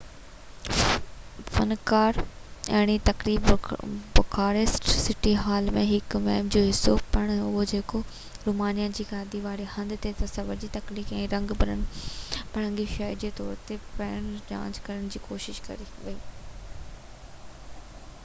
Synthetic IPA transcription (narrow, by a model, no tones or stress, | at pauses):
fɐ̰nkaːɾɐɦɽ̃it̪ɐkɾiːbbʊkʰaːɾesʈsɪʈiɦaːlmẽɦɪkʋɛːmd͡ʑoːɦɪsːopɐɽ̃ʊɦod͡ʑeːko | ɾuːmaːnijãd͡ʑiːkaːd̪iʋaːɾehɐ̃nd̪t̪et̪ɐsɐʋəɾd͡ʑit̪ɐkliːkɛ̃ːɾɐ̃ŋɡbɐɾə̰ɽ̃̆pɐɽə̃ŋɡiʃɐɾd͡ʑeːt̪ɔːɾt̪epɐːəɽ̃d͡ʑã̰ːɲd͡ʑkɐɾəɽ̃d͡ʑiːkoːʃɪʃkɐ̰ɾiʋɐiː